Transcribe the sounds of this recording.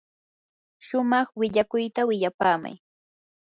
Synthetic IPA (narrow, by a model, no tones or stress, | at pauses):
ʃʊmɑχwɪʎakʊjt̪awɪʎapaːma̰j